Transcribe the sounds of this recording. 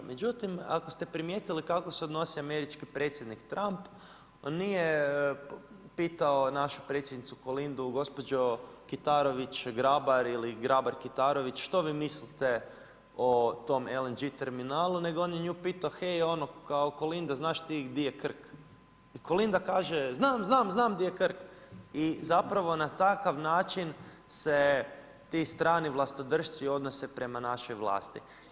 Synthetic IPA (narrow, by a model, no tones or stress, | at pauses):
med͡ʒut̪ima̰kost̪e̞pɾimje̞ːt̪ilikakoseod̪no̞siame̞ɾit͡ʃkipɾe̞ːt̪sjed̪nikt̪ɾʔamp | onːije | piːt̪aonaʃu̥pɾet̪sʲjed̪nit̪suko̞lind̪uɡo̞spo̞d͡ʒo̞kit̪aɾo̞ʋit͡ʃɡɾabaɾiliɡɾabaɾkit̪aɾo̞ʋit͡ʃʃt̪o̞ʋiːmislit̪e | ot̪o̞melend͡ʒit̪e̞ɾminaːlˠune̞ɡooːnjeɲuːpiːt̪axejo̞nokaoko̞lind̪aznaːʃt̪iɡd̪ijekr̩k | iko̞lind̪akaːʒeznaːmznaːmznaːmd̪ijekr̩kizapɾaʋo̞nat̪akaʋnaːt͡ʃin | se | t̪ist̪ɾaːniʋlˠast̪o̞d̪r̩ʃt̪sio̞d̪no̞sepɾe̞manaʃo̞jʋlˠa̰ːst̪ḭ